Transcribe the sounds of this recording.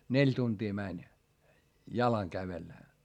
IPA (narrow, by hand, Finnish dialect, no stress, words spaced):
nelʲ tuntiː mænʲ jɑlɑŋ kæʋelːæ